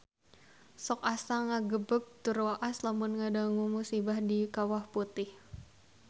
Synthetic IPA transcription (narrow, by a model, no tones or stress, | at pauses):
sɔkasaŋaɡəbək̚t̪urwaʔaslamʊnŋadaŋumusibahdikawahput̪ɪh